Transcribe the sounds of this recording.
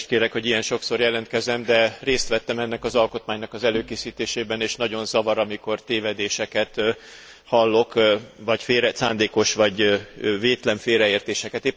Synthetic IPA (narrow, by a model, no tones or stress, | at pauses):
ʃt̪̚keːɾɛkho̞ɟijɛnʃo̞kso̞rjɛlɛnt̪̚kɛzɛmd̪ɛreːst̪ʋɛt̪ːɛmɛnːɛkɒzɒlko̞t̪maːɲnɒkɒzɛløːkeːsiːt̪eːʃeːbɛneːʃnɒɟo̞nzɒvɒɾɒmiko̞rt̪eːvɛd̪eːʃɛkɛt̪ | hɒlːo̞kvɒcfeːɾɛt̪sa̰ːnd̪eːko̞ʃʋɒɟveːt̪lɛɱfeːɾɛeːrt̪eːʃɛkɛt̪eː